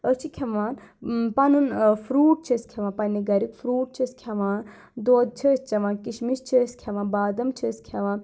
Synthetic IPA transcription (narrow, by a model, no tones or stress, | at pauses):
ət͡ʃʰikʲʰɐʋaːnpanunfʰɾuːʈ̚t͡ʃʰiskʲʰɐʋãːpɐniɡɐɾikfʰɾuːʈ̚t͡ʃʰiskʰʲɐʋãːn | d̪oːd̪̚t͡ʃʰist͡ʃɐʋãːnkiʃmist͡ʃʰiskʲʰɐʋãːnbaːd̪ɐmt͡ʃʰiskʲʰɐʋãːn